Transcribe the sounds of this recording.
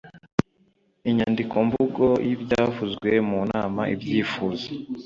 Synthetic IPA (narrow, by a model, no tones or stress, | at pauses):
iɲandikʰo̞mvuɡo̞jʔibɟaːvuzɡwemuna̰ːmaʔḭbɟiːfuːze